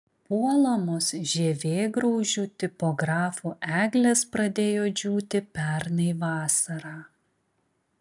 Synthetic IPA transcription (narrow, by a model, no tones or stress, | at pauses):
puɔlˠɐmoːsʒʲɛʋʲeːɡɾɐʊʒʲuːt̪ʲɪpɔːɡɾɑːfuːʔæːɡlʲɛspɾɐd̪ʲeːjoːd͡ʒʲuːt̪ʲɪpʲɛɾnɐɪʋɑːsɐɾɑː